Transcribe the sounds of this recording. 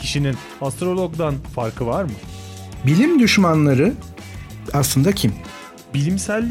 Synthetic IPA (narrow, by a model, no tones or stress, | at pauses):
cʰiʃinin | ast̪ɾo̞lˠo̞ɡd̪anfaɾkʰɯvaɾmɯ | bilʲimd̪yʃmanlˠaɾɯ | aslˠɯnd̪acʰim | bilʲimsælʲː